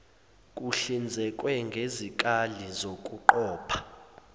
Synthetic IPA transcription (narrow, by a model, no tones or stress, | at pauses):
kʼuɬind͡zʱɛkʼwɛŋɡʱezikʼalizokʼuǃɔːpʰḁ